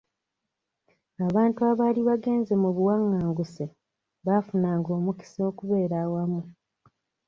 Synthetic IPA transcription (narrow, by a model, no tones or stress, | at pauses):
aβaːntuaːβaːliβaɡe̞ːnze̞muβuwaŋːaːŋɡuse | βafunaːŋɡo̞ːmuki̥so̞kuβe̞ːɾaːwamu